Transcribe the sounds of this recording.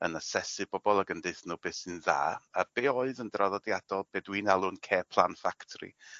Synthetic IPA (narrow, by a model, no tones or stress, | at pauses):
ə̰nasɛsɨbɔbɔlˠaɡəndɨθnuːbeːsɨnða̰ːab̥eːɔɨðəndraðɔdjad̥ɔlˠb̥eːdwiːnalˠʊnkʰeːpʰlˠanfaktʰrḭ